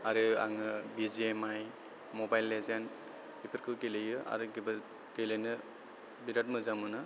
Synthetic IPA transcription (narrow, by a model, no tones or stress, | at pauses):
aɾɯa̰ŋɯbiziemaj | mɔbajlːezan | bipʰɯɾkʰɯkelejɯʔa̰ɾɯɡb | ɡelenɯ | biɾat̚mɯzamɯnɯ